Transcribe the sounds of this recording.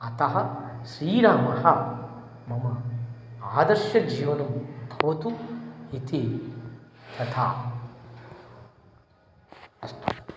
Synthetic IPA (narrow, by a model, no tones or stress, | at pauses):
ɐt̪ɐɦɐsɾiːɾaːmɐhɐ | mɐmɐ | aːd̪ɐɾʃjɐd͡ʒiːʋɐnumt̪ʰoːt̪uit̪ʰi | t̪ɐt̪ʰaː